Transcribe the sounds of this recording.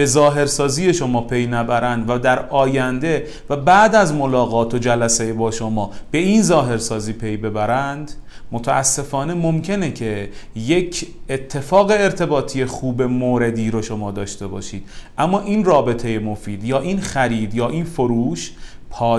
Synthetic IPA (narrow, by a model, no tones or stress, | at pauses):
be̞zɒːɦe̞ɾsɒːziːje̞ʃo̞mɒːpʰe̞jnæbæɾænd̪væd̪æɾɒːjænd̪e̞ | væbæʔd̪æzmolɒːɣɒːt̪ʰod͡ʒælæsejebɒːʃomɒːb̥e̞iːnzɒːɦe̞ɾsɒːziːpʰe̞jbe̞bæɾænd̪mot̪ʰæʔæ̰sːe̞fɒːne̞mo̞mcʰe̞necʰe̞je̞cʰet̪ʰːe̞fɒːɣeːɾt̪ʰe̞bɒːt̪ʰije̞xuːbe̞moːɾe̞d̪iːɾoʃo̞mɒːd̪ɒːʃt̪e̞bɒ̰ːʃiːd̪̥ʔæmːɒːʔiːnrɒːbe̞t̪ʰe̞jemo̞fiːd̪jɒːʔiːnxæɾiːd̪jɒːʔiːnfoɾuːʃ | pʰɒː